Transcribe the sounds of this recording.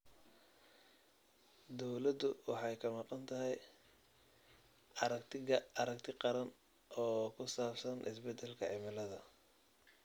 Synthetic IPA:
d̪ɔwlɐd̪ʊwɑħɑjkʰɐmɑqɑnt̪ʰɐɦɛj | ɾɐkt̪ɐɾɐkt̪ʰɪqɑɾɐn | ɔːkʰʊsaːfsɐnʔɪsbɛd̪ɛlkʰɐʕɪmɪlɐðɐ

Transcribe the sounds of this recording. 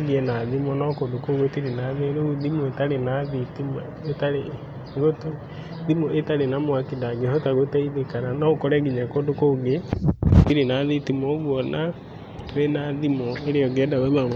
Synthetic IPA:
ɡeɛnaðimɔnɔkondokoɣotiɾenaðeɾouðimoetaɾenaðitim | etaɾe | ɡoto | ðimoʔetaɾenamwakindaɡehɔtaɣotɛiðekaɾanɔokɔɾɛɡiɲɛkoːndokoɡetiɾenaðitimoβwɔna | toɾenaðimoeɾeɔɡɛdaɣoa

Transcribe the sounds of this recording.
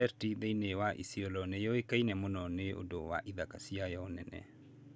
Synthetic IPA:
ɛɾtiðeinewaʔḭsiɔlɔnɛjɔekainɛmonɔneʔo̰dowa̰ʔiðakasiajɔnɛnɛ̰

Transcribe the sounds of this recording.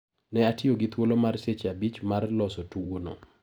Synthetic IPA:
nɛatɪoɡɪt̪wolomarset͡ʃabit͡ʃmarlɔsotuwono̰

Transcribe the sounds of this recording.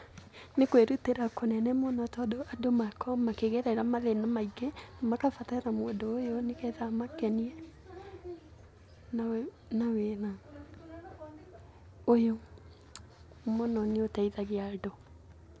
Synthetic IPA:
nekweɾuteɾakonɛnɛmonɔtɔdoadomakɔmakeɣeɾaiɾamaðenamaiɡenamakafatanamoondoːjonekɛðamakɛniɛ | na | nawena | ojo | monɔneotɛiðaɣeado

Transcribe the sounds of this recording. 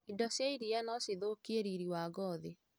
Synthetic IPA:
idɔsjaiɾianɔseðokieɾiɾiwaɡɔðe

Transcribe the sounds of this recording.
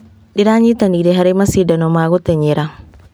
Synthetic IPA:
ɗiɾaɲit̪aniːdeɦaɾemasidanomaːɡɔt̪eɲeɾa

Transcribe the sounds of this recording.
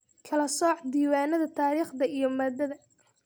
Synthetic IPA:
kʰɐlɐsɔːħd̪iːwaːnɐðɐt̪ʰaːɾiːχd̪ɐijɞmɐːd̪ɐðɐ

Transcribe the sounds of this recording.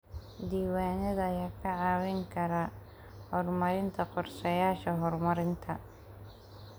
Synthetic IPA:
d̪iːwaːnɛðɐːjaːkʰɐʕaːwɪŋkʰɐɾɐ | hɔrmɐɾɪnt̪ʰɐqɔrʃɐjaːʃɐɦɔrmɐɾɪnt̪ʰɐ

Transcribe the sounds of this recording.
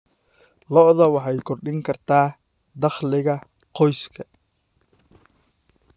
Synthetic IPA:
lɔʔðɐwɑħɑjkʰɔrɖɪŋkʰɐrt̪ʰaː | d̪ɑχlɪɣɐ | qɔjskʰɐ

